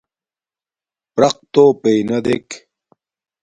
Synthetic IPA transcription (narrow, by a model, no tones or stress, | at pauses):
pɾɐq̚t̪oːpejnɐd̪ek